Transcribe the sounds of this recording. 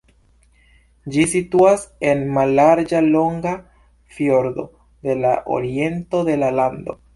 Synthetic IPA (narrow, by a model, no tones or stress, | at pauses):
d͡ʒisituase̞nmalːaɾd͡ʒalo̞ŋɡa | fjo̞ɾd̪o̞̰ | de̞laʔo̰ɾie̞nto̞de̞laland̪o̞̰